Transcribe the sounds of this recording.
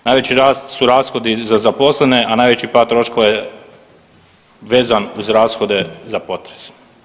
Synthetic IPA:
naːjʋet͡ɕiɾaːst̪suɾaːsxo̞d̪izazapo̞slˠeneʔanaːjʋe̞t͡ɕipaːt̪ːɾo̞ʃko̞ʋaje | ʋe̞ːzanuzɾaːsxo̞d̪e̞zapo̞t̪ɾes

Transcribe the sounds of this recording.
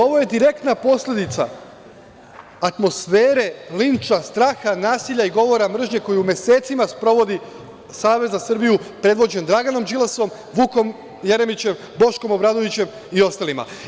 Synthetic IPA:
o̞ʋo̞je̞d̪iɾe̞k̚t̪napo̞slʲe̞d̪it̪sa̰ | t̪mo̞sfeːɾe̞lint͡ʃast̪ɾaːxanaːsiʎʲaiɡo̞ʋo̞ɾamr̩ʒɲe̞ko̞juumʲje̞seːt̪simaspɾo̞ʋo̞d̪i | saːʋe̞zasɨr̩bijupɾe̞d̪ʋo̞d͡ʑe̞nd̪ɾaɡano̞md͡ʒilˠaso̞m | ʋuko̞m | je̞ɾe̞mit͡ɕe̞m | bo̞ʃko̞mo̞bɾaːd̪o̞ʋit͡ɕe̞m | io̞st̪alima̰

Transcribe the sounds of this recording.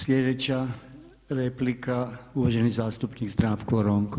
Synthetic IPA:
sʎʲed̪et͡ɕa | ɾeplikʰauʋaʒenizaːst̪upnikzd̪ɾaːʋkoɾoŋɡ

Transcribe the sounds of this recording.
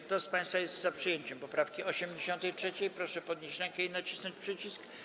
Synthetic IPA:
kt̪ɔspaj̃st̪fajɛst̪zapʂɨjeɲt͡ɕɛmpɔpɾafkʲiɔɕɛmd͡ʑeɕɔ̃nt̪ɛjtʂɛt͡ɕejpɾɔʂɛpɔd̪̚ɲeɕɾɛŋkɛinat͡ɕi̥snɔɲt͡ɕpʂɘt͡ɕisk

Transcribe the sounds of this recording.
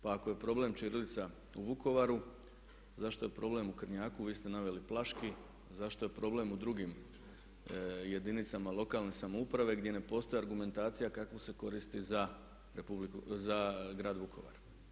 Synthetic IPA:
paakoje̞pɾo̞ble̞mt͡ʃiɾilit̪sa | uʋuko̞ʋaɾu | zaʃt̪o̞je̞pɾo̞ːble̞mukr̩ɲaːkuʋiːst̪e̞naʋe̞liplˠaʃki | zaʃt̪o̞je̞pɾo̞ble̞mud̪ɾuɡim | je̞d̪init̪samalˠo̞kalˠne̞samoupɾaʋe̞ɡd̪je̞ne̞po̞ːst̪oeaɾɡume̞nt̪aːt̪sijakakʋose̞ko̞ɾist̪iza | ɾepublikuzaɡɾaːd̪ʋukʰo̞̰ʋa̰ɾ

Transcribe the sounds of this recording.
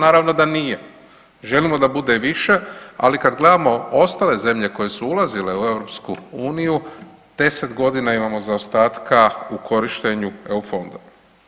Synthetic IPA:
naːɾaʋno̞d̪anije | ʒe̞limo̞d̪abud̪e̞ʋiʃe̞a̰likad̪ɡle̞d̪amo̞o̞st̪aːle̞ze̞mʎe̞ko̞je̞suulazile̞ue̞ʋɾo̞pskuuːniju | d̪̥e̞se̞t̪ɡo̞d̪inaimamo̞zaost̪aːt̪kaukʰo̞ɾiʃt̪e̞ɲueufo̞nd̪o

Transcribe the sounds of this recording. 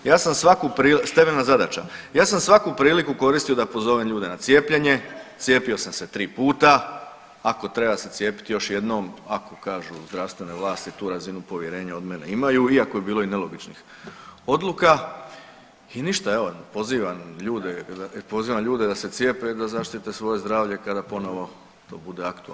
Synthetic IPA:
jaːsamsʋakupɾiːlst̪emenazad̪at͡ʃa̰jaːsamsʋakupɾiːlikuko̞ɾist̪ijo̞d̪apo̞zo̞ʋemʎuːd̪e̞nat̪sje̞ːpʎe̞ɲe̞t̪sjeːpio̞samse̞t̪ɾiːpuːt̪aː | ko̞t̪ɾe̞base̞t̪sje̞ːpi̥t̪jo̞ʃje̞d̪noːmakokaːʒuzd̪ɾaʋst̪ʋe̞neʋlˠaːst̪it̪uːɾazinupo̞ʋje̞ɾe̞ːɲao̞d̪me̞ne̞imajuiako̞ebiːlo̞ine̞lo̞ɡit͡ʃnix | o̞d̪luka | iniʃt̪ae̞ʋo̞po̞ziːʋamʎuːd̪ed̪apo̞ziːʋamʎuːd̪ed̪ase̞t̪sʲje̞ːped̪azaʃt̪it̪e̞sʋo̞je̞zd̪ɾaːʋʎe̞kad̪apo̞no̞ʋo̞ | t̪o̞ːbud̪e̞akt̪ua̰

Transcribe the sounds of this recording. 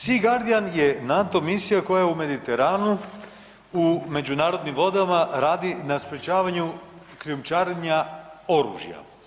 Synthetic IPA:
siɡaɾd̪ijanje̞nat̪o̞misijako̞jaume̞d̪it̪eɾaːnu | ume̞d͡ʑunaːɾo̞d̪nimʋo̞d̪amaɾaːd̪inaspɾet͡ɕaːʋaɲu | kɾiumt͡ʃaːɾeɲao̞ɾṵːʒja̰

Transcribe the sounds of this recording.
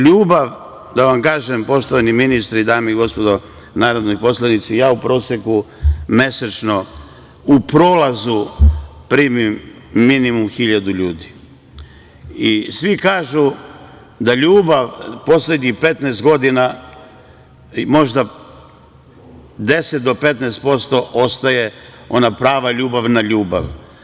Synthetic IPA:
ʎuːbaʋ | d̪aʋamkaːʒempo̞ʃt̪oʋaniminist̪ɾid̪aːmeiɡo̞spo̞d̪o̞ | naːɾod̪nojpo̞slanit̪sijaːupɾo̞ːsjeku | me̞set͡ʃno̞ | upɾoːlazupɾiːmimːinimumxiʎad̪uʎuːd̪i | isʋikaːʒu | d̪aʎuːbaʋpo̞sle̞d̪ɲixpe̞t̪nɛːst̪̚ɡo̞d̪ina | mo̞ʒd̪a | d̪e̞set̪̚d̪o̞pe̞t̪nɛːst̪̚po̞st̪o̞ʔo̞st̪aje̞ | o̞napɾaːʋaʎuːbaʋnaʎuːba̰ʋ

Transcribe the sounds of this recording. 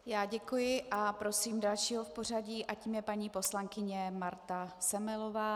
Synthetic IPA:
jaːɟɛkujɪʔapɾo̞siːmdalʃiːɦo̞fpor̝aɟiːʔaciːmjɛpaɲiːpo̞slaŋkɪɲɛmaɾt̪asɛmɛlovaː

